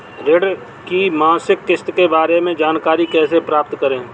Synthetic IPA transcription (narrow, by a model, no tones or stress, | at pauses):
ɾɪɖ | kimãːsɪkːɪst̪kebaːɾemẽd͡ʒaːnkaːɾikɛːsepɾaːp̚t̪kəɾẽː